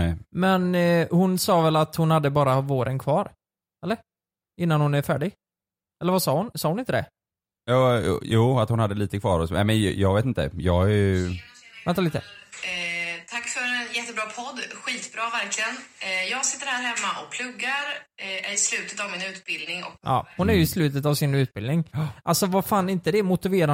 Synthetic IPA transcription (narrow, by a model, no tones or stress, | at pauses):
ɛɪmɛnhʊnsɑːvɛlat̪hʊnhad̪ːəbɑːɾavoːɾʔənkʰvɑːɾ | ɛlːəɾ | ɪnːanhʊnæɾfæːɖɪɡ | ɛləvasɑːhʊnsɑːhʊnɪnt̪əd̪ɛ̰ | jɑːj̰ːjuːat̪hʊnhad̪ːəliːt̪əkʰvɑːɾɔsnɛ̰ɪmɛnjɑːɡveːt̪ɪnt̪ə̰jɑɡæ | vɛnt̪ʰːalit̪əə | t̪ʰakːfœɾɛnjɛt̪ːəbɾɑːpʰɔd̪ːɧiːt̪bɾɑːvæɾklɪɡənjɑːɡsɪ̥t̪ːəɾhæːɾhɛmːaʔɔk̚pʰlɵɡːaɾæɾɪslʉ̟ːt̪ət̪avmɪnʉ̟ːt̪̚bɪld̪nɪŋɔʔɑ̰ːhʊnæɾjɵɪslʉ̟ːt̪ət̪avsɪnʉ̟t̪̚bɪld̪nɪŋʔalsɔvaɾfaːnɪnt̪əd̪ɛmʊt̪ɪveːɾa